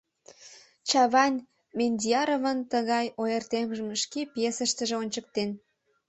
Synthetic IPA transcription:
t͡ɕɑβɑnʲ | menʲd̪ʲiɑɾovənt̪əɣɑjojert̪emʒəmʃkepjesəʃt̪ə̆ʒeonʲt͡ɕək̚t̪en

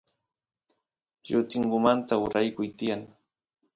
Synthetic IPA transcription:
jʊt̪ɪŋɢʊmant̪aʊɾajkʊjt̪ɪjaŋ

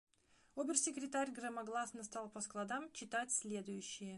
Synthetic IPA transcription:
obʲɪrsʲɪkɾʲɪt̪aɾʲɡrəmɐɡlˠasnəst̪alˠpəsklˠɐd̪amt͡ɕɪt̪atʲsʲlʲe̞d̪ʊjʉɕːɪjə

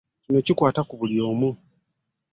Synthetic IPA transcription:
ino̞cikwaːtakuβulio̞ːmu

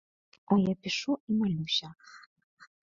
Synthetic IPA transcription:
ɔjapʲiʂuimalʲuɕʲɐ

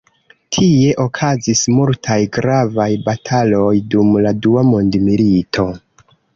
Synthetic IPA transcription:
tʰie̞ʔo̞kʰazismultʰajɡɾavajbatʰalo̞jdumladuamo̞ndmilitʰo̞

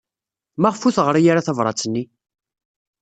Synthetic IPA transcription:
mæʁfuθʁəɾˤajaɾaθævɾˤɑ̰t͡sːənːi

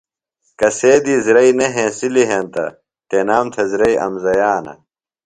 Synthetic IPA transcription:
kɐseːd̪iːzɾɐineɦẽːsiliɦẽːnt̪ɐ̰ | t̪enaːmt̪ʰɐzɾɐiʔɐ̰mzɐjaːnɐ̰

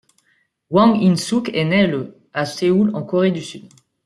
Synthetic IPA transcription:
wɑ̃ŋinsukenɛlə | aseulɑ̃kɔʁed̪ysyd̪

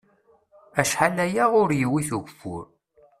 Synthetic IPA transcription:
æʃħalæjaʁʊɾjiwiθuʝʷfʊ̰ɾ

